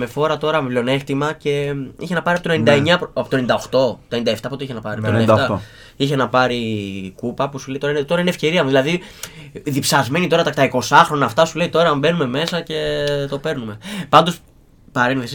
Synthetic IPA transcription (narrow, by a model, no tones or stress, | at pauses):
me̞fo̞ɾɐt̪o̞ɾɐmvlo̞ne̞xt̪imɐce̞içenɐpɐɾiɐpot̪one̞nind̪ɐeɲɐpɐpot̪oenind̪ɐoxt̪o̞t̪oenind̪ɐeft̪ɐpot̪oiçenɐpɐɾiɐptonet̪ɐ | içe̞nɐpɐɾikupɐpusuleit̪o̞ɾɐinet̪o̞ɾɐine̞fce̞ɾiɐmuðilɐði | ðipsɐzme̞nit̪o̞ɾɐt̪ɐt̪ɐiko̞sɐxɾo̞nɐːft̪ɐsuleit̪o̞ɾɐɐmbe̞nume̞me̞sɐce̞t̪o̞pe̞ɾnume̞pɐnd̪o̞s | pɐɾenðes